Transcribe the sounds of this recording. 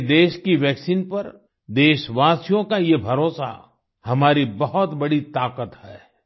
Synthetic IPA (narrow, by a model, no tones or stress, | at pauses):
d̪eːʃkiʋɛːksiːnpɐɾ | d̪eːʃʋaːsijõkajebʱɐɾoːsa̰ | hɐmaːɾibɐɦʊt̪bɐɽit̪aːqət̪hɛː